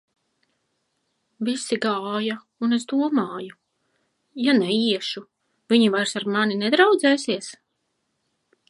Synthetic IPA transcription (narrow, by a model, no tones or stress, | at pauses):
visiɡaːja | unesd̪uɔmaːju | janɛiɛʃu | viɲivajɾsaɾmaninɛd̪ɾawd̪zɛːsiɛs